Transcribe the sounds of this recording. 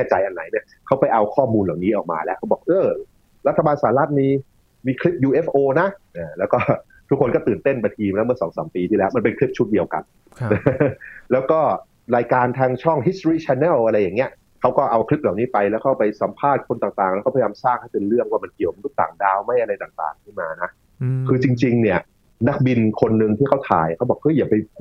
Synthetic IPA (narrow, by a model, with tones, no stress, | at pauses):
kʰɛː˥˩t͡ɕa˧jʔa˧nːa˩˦jni˥˩ɐkʰa˦˥wpa˧jʔa˧wkʰɔː˥˩muː˧nlaː˨˩wniː˦˥ʔɔː˨˩k̚ma̰ː˧lɛ˦˥ʔkʰa˦˥bɔː˨˩k̚ʔɤː˧˩˧ | ɾa˦˥t̪ʰːa˧baː˧nsaː˨˩˦la˦˥t̪̚miː˧ | miː˧kʰli˦˥p̚juː˧ʔe˦˥pʔoː˧na˦˥ʔaː˧˩lɛː˦˥wkɔː˥˩ | t̪ʰu˦˥kʰːo˧nkɔː˥˩t̪ɯː˨˩nt̪e˥˩nma˧t̪ʰiː˧mlɛː˦˥wmɯ˥˩ɐsɔː˩˦ŋsaː˩˦mpiː˧t̪ʰiː˥˩ɛː˦˥wma˧npe˧nkʰli˦˥p̚t͡ɕʰu˦˥t̪̚di˧əwka̰˧nː˧˩ | lɛː˦˥wkɔː˥˩ | ɾaː˧jkaː˧nt̪ʰaː˧ŋt͡ɕʰɔ˥˩ŋɦi˦˥s̚t̪ɾiː˥˩t͡ɕʰɛː˧nɛː˥˩lʔa˧ɾa˧jːa˨˩ŋːi˦˥ɐʔ | kʰa˦˥wkɔː˥˩ʔa˧wkʰli˦˥p̚laː˨˩wniː˦˥pa˧jlɛː˦˥wkʰaː˥˩pa˧jsa˩˦mpʰaː˥˩t̪̚kʰo˧nt̪aː˨˩ŋt̪aː˨˩ŋlɛː˦˥kɔː˥˩ajaː˧msaː˥˩k̚ha˥˩t̪e˧nɾɯ˥˩əŋwaː˥˩ma˧nki˨˩əmo˧nt̪ʰu˥˩t̪a̰ː˨˩ŋdaː˧wma˦˥˩jʔa˧ɾa˧jt̪aː˨˩ŋt̪a̰ː˨˩ŋk̪ʰɯ˥˩maː˧na˦˥ | kʰɯː˧t͡ɕi˧ŋt͡ɕi˧ŋni˥˩ɐ | na˦˥k̚bi˧nkʰo˧nːɯ˧ŋt̪ʰiː˥˩kʰa˦˥wt̪ʰa̰ː˨˩jkʰa˦˥wbɔː˨˩k̚ʔɤ˦˥˩jaː˨˩pa˧jpʰ